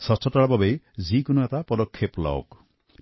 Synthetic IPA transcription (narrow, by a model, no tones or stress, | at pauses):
sɔst̪ʰɔt̪aɭɔbabej | zikunɔet̪apɔd̪ɔkʰːepla̰o̰k